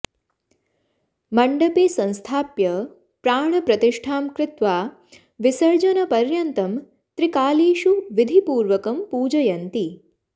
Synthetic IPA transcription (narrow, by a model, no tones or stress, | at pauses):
mɐɳɖɐpeːsɐ̃nst̪ʰaːpjɐ | pɾaːɳɐpɾɐt̪iʂʈʰaːmkɾɪt̪ʋaː | ʋisɐɾd͡ʒɐnɐpɐɾjɐnt̪ɐm | t̪ɾikaːliːʃuʋid̪ʱipuːɾʋɐkɐmpuːd͡ʒɐjɐnt̪i